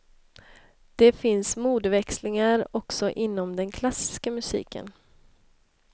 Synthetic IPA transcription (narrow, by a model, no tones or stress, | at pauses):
d̪̥ɛfɪnsmuːd̪vɛkslɪŋaɾɔksɔʔɪnːɔmd̪ɛnkʰlasɪ̥skamɵsḭːkʰə̰n